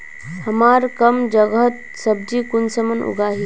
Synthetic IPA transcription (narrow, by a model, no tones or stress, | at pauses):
həmaɾkəmd͡ʒəɡɦt̪̚ | səb̚d͡ʒikunsəmənṵɡaːɦi